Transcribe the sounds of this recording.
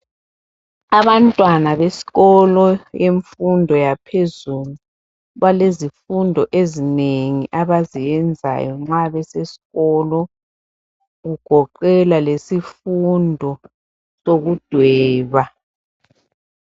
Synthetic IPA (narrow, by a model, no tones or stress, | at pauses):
aβantʼwanaβesi̥ɣɔlɔjeɱfundʱɔjapʰezulu | βalezifundʱɔʔezineŋḭʔaβazijɛnd͡zʱa̰jɔ̰ŋ͡ǁaβɛsesi̥ɣɔlɔ | ɣuɡ̥ʱɔǃɛlalesifundʱɔ | soɣud̥ʱwɛːβa